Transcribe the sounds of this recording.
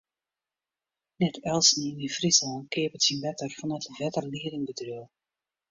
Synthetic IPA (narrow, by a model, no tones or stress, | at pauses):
nɛtʰɛlˠsninifrisəlnkɪəpətsinbɛtərfɔnətəvɛtərliədɪŋbədryəlˠ